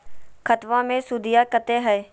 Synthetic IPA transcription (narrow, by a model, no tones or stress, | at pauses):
kʰət̪ʋãːmẽsʊd̪ʱɪjaːkət̪eːɦɛe